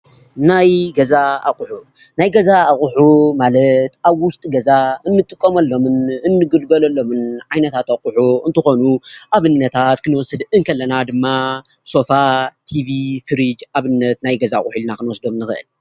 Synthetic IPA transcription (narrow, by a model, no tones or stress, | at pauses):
najɡɐzaa̰χʼʊħu | najɡɐzaːχʼʊħumalɐt̪ʔaβwʊst̪ʼiɡɐzaɨnːɨt̪ʼːɨkʼːomɐlːo̞mɨnɨnːɨɡɨlɡɐlɐlːo̞mɨnʕajnɐt̪ʰat̪aχʼʊħuɨnt̪ʰɨxo̞nuʔaβɨnːɐt̪ʰat̪kʰɨnɨwɔsɨd̪ɨŋkʰɐlːɐnad̪ɨmːa | so̞fat̪ʰivifɨɾid͡ʒaβɨnːɐt̪najɡɐzaχʼʊħilnakʰɨnwɔsd̪omnɨxɨʔɨ̰l